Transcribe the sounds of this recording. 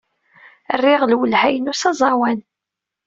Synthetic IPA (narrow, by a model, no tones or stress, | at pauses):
ərːiʁlwəlhæjənusɑzˤɑwæn